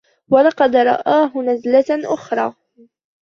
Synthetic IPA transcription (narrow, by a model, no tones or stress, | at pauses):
walɑqɑd̪ɾˤɑ̰ʔaːɦʊnazlaʔʊxɾˤɑː